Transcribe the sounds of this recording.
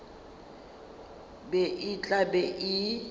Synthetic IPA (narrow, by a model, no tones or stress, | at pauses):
bɛʔɪt͡ɬʼabɛʔɪ